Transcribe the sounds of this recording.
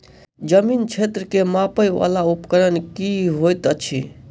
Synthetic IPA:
d͡ʒəmint͡ʃʰet̪ɾəkemapəjʋa̰laupkəɾənkiɦojt̪ət͡ʃʰḭ

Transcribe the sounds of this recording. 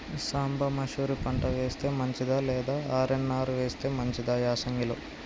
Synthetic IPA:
saːmbʱɐmɐʃuːɾipɐɳʈɐʋeːst̪e̞ːmɐɲt͡ʃid̪aːlɛːd̪aːaːɾenːaːɾuʋeːst̪e̞ːmɐɲt͡ʃid̪aːjaːsɐŋɡilo

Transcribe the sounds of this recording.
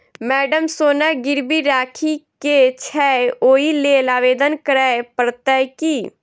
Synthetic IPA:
mɛːɖəmsoːnaɡɪɾbiɾaːkʰiket͡ʃʰɛːoːileːlaːʋeːd̪ənkəɾaepəɾt̪ɛjkiː

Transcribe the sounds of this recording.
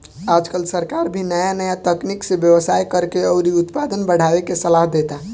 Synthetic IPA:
ad͡ʒkəlsəɾkaɾbʱinəjanəjat̪əkniksebjəʋəsajkəɾkeɔʊɾiut̪pad̪ənbəɽ̤aʋekesəlaɦd̪et̪a

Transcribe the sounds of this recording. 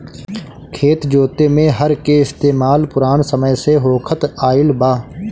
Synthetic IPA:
kʰeːt̪d͡ʒoːt̪emẽɦəɾkeɪst̪eːmaːlpʊɾaːnsəməjseɦoːkʰət̪aːɪlbaː

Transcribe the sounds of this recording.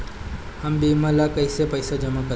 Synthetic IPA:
hambimalakəjsepəjsad͡ʒəmakə

